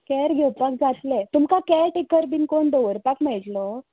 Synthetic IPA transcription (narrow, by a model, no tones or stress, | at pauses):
kɛɾɡʱewpak̚d͡zat̪let̪umkakɛɾʈekəɾbinkoɳd̪oʋəɾpakmajʈlɔ